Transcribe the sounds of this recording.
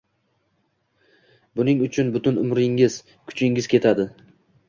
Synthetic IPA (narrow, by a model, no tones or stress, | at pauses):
bʊnɪŋʊt͡ʃʰʊnbʊt̪ʰʊnʊmɾɪŋɪz̥ | kʰʊ̥t͡ʃʰɪŋɪzkʲʰe̞t̪ʰad̪ɪ